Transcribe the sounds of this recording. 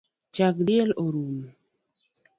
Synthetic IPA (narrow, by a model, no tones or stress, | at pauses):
t͡ʃak̚dɪeloɾum